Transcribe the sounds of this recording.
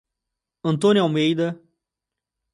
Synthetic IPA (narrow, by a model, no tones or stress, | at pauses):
ɐ̃nt̪õnʲiawmejd̪ɐ